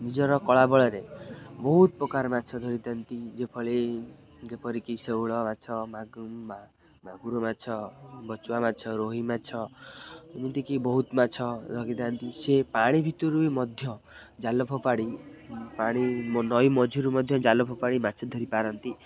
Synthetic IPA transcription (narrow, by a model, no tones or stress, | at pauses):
nid͡ʒɔɾɔkɔɭabɔɭɔɾebɔɦut̪̚pɾɔkaɾmatːt͡ʃʰɔd̪ʱɔɾit̪ant̪id͡ʒepʰɔɭe | d͡ʒepʰɔɾikisewɭɔmat͡ʃʰɔmaɡ | maɡuɾumat͡ʃʰɔbɔt͡ʃuwamatt͡ʃʰɔɾoɦimatt͡ʃʰɔ | munt̪ikibɔɦut̪mat͡ʃʰɔd̪ʱɔɡid̪ant̪isepaɽ̃ibʱit̪uɾuimɔd̪ʱjɔ | d͡ʒalɔpʰɔpaɽipaɽ̃inɔjmɔd͡ʒʱiɾumɔd̪ʱjɔd͡ʒalɔpʰɔpaɽimat͡ʃʰɔd̪ʱɔɾipaɾɔnt̪i